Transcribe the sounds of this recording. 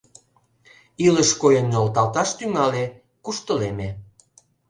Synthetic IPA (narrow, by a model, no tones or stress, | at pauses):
iləʃkojənːolt̪ɑlt̪ɑʃt̪yŋɑle | kuʃt̪əleme